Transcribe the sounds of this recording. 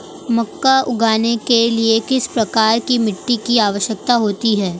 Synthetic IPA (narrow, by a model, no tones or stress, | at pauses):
mɐkːaʊɡʱaːnekeliekɪspɾɐkaːɾkimɪʈːikiaːʋəʃjək̚t̪aɦoːt̪iɦɛː